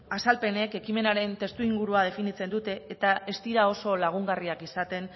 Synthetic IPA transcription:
asalpe̞ne̞ke̞kime̞naɾe̞nt̪e̞st̪uiŋɡuɾuað̞e̞finit͡se̞nd̪ut̪e̞ːt̪ae̞st̪iɾao̞so̞laɣ̞uŋɡariakisat̪e̞n

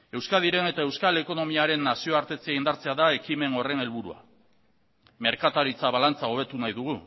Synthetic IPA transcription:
e̞wskaðiɾe̞ne̞t̪ae̞wskale̞ko̞no̞miaɾe̞nːasio̞aɾt̪e̞t͡siaind̪aɾt͡se̞aðae̞kime̞no̞re̞ne̞lβ̞uɾua̰ | me̞ɾkat̪aɾit͡saβalant͡saoβ̞e̞t̪unajðuɣ̞u

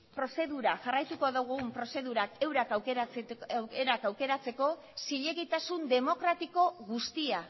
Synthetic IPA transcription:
pɾo̞se̞ðuɾaʝarajt̪uko̞ðoɣumpɾo̞se̞ðuɾake̞wɾakawkeɾat͡swkeɾakawke̞ɾat͡se̞ko̞ | siʎe̞ɣit̪asund̪e̞mo̞kɾat̪iko̞ɣust̪ia

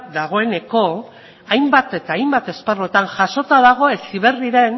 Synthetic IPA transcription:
d̪aɣ̞o̞e̞ne̞ko̞ | ajmbat̪et̪aːajmbat̪e̞sparoe̞t̪aŋʝaso̞t̪aðaɣ̞o̞e̞siβe̞riɾe̞n

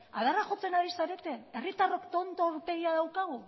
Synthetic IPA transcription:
a̰ð̞araʝo̞t͡se̞naɾisaɾe̞t̪e̞erit̪aro̞kt̪o̞nt̪oɾt̪e̞ɣiaðawkaɣ̞u

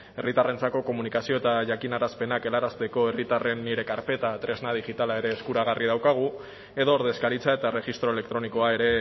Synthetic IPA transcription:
e̞rit̪are̞nt͡sako̞ko̞munikasio̞et̪aʝakinaɾaspe̞nake̞laɾast̪e̞ko̞e̞rit̪are̞nːiɾe̞kaɾpe̞t̪at̪ɾe̞znaðiʝit̪alae̞ɾe̞ːskuɾaɣ̞ariðawkaɣ̞u | e̞ðoːɾðe̞skaɾit͡sae̞t̪are̞ɣist̪ɾo̞ele̞k̚t̪ɾo̞niko̞ae̞ɾe̞

